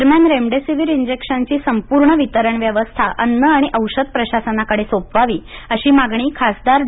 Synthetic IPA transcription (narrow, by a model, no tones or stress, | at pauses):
ɾmjanɾemɖesiʋiɾiɲd͡ʑekɕənt͡ɕiːsəmpuɾɳəʋit̪əɾəɳʋjəʋəst̪ʰaʔənːəaɽ̃iʔəwɕəd̪̚pɾəɕasənakəɽesopʋaʋiːəɕiːmaɡɳ̃iːkʰasd̪aɾ